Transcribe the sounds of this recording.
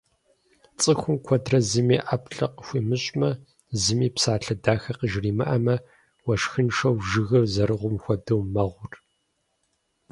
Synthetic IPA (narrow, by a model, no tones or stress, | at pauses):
t͡sʼɨxʷʊmkʷʰɔdrɐzɨmiːʔapʰɬɐqəxʷiːmɨɕʼmɐ | zɨmiːpsaːɬɐdaːxɐqəʒriːmɐ̰ʔɐmɐ | wɐʃxɨnʂɐwʒɨɣɐrzɐɾɨʁʷʊmxʷɔdɨwmɐʁʷʊr